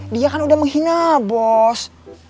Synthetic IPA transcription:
diakanudahməŋɦinabɔs

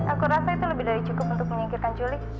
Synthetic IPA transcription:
ʔakuɾasait̪uləbɪhdaɾit͡ʃukʊpunt̪ʊk̚məɲiŋkɪt̪kant͡ʃulɪ

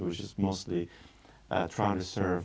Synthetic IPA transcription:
wɨt͡ʃɨzmoʊstˡlḭ | tʰɹ̥aɪɪ̃ŋtɨsɜ˞v

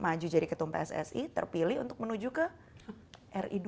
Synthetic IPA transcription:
mad͡ʒud͡ʒadikət̪uŋpḛɛsɛ̰sit̪ə̰rpilɪɦṵnt̪ʊk̚mənud͡ʒukəh | ʔɛrḭd

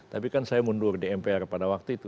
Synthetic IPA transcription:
t̪apikansajamundʊrdeɛmpeɛrpadawak̚t̪uit̪u

